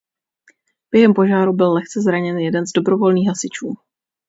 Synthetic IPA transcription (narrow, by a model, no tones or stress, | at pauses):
b̥jɛɦɛmpo̞ʒaːɾubɪlːɛxt͡sɛzɾaɲɛnjɛdɛnzdo̞bɾo̞vo̞lniːɣɦasɪt͡ʃuː